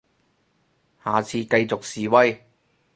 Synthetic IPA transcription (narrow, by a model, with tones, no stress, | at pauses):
haː˨˩t͡sʰiː˧kɐ˧jt͡so˨k̚siː˨wɐ˥j